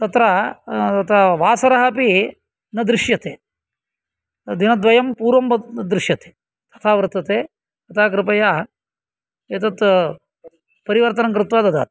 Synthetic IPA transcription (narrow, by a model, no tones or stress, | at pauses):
t̪ɐt̪ɾɐɐt̪ʰɐʋaːsɐɾɐɦɐpi | nɐd̪ɾɪʃjɐt̪ḛː | d̪inɐd̪ʋɐjɐmpuːɾʋɐmd̪ɾɪʃjɐt̪e̥ː | t̪ɐ̥t̪ʰaːʋɾt̪ːɐt̪eː | ɐt̪ʰaːk̬ɾɪpɐjaː | eːt̪̬ɐt̪ | pɐɾiʋɐɾt̪ɐnɐŋkɾɪt̪ʋaːd̪ɐd̪ʱa̰ːt̪